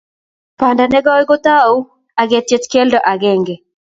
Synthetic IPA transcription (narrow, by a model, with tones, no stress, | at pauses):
pa˨nda˨nɛ˦ɡɔ˦ɪ˦ɡo˦t̪a˦u˦ | a˨ɡɛ˨tje˦tke˦ldɔ˨ʔa˨ɡɛ˦˨ŋɡɛ˨